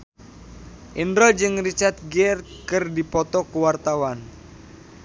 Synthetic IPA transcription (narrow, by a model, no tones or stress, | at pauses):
ʔindɾɔd͡ʒɨŋrit͡ʃart̪̚ɡɛrkɨrdipɔt̪ɔkuwart̪awan